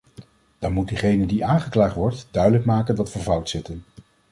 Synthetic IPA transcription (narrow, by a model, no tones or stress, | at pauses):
d̥ɑnmut̚diχejnədiʔaːnχəklaːχtʋɔɹtdœɥdələkmaːkəndɑtʋəɹvʌwtsɪtən